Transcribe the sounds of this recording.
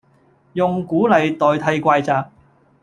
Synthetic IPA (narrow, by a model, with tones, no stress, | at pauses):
jʊ˨ŋkuː˨˥lɐ˨jt̪ɔː˨jt̪ʰɐ˧jkʷaː˧jt͡saː˧k̚